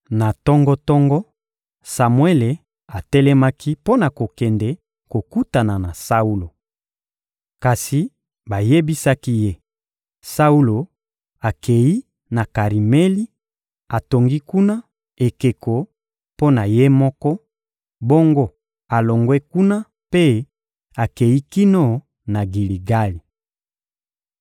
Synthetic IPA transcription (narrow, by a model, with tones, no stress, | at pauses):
na˨tɔ˦ŋɡɔ˦tɔ˦ŋɡɔ˦ | sa˨mwe˦le˨ | a˨tɛ˦lɛ˦ma˦ki˦po˦na˨ko˨kɛ˨ndɛ˦ | ko˨ku˦ta˨na˨na˨sa˦u˦lo˨ | ka˨si˨ | ba˨je˦bi˦sa˦ki˦je˦ | sa˦u˦lo˨ | a˨kʰe˨ji˦ | na˨ka˨ʁi˨me˦li˦ | a˨to˨ŋɡi˦ku˦na˦ | e˨ke˨ko˨ | po˦na˨je˦mɔ˦kɔ˦ | bo˦ŋɡo˦ | a˨lo˨ŋɡwɛ˦ku˦na˦ | pe˦ | a˨ke˨ji˦ki˦no˦ | na˨ɡi˨li˨ɡa˦li˨